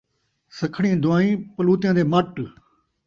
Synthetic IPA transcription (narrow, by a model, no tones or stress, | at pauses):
səkʰɽĩːd̪ʊaːĩːpəluːt̪jãːd̪eːməʈ